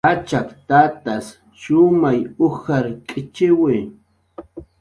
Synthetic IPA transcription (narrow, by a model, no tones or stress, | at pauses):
at͡ʃakt̪at̪as | ʃʊmajʊhaɾkʼɪt͡ʃɪwɪ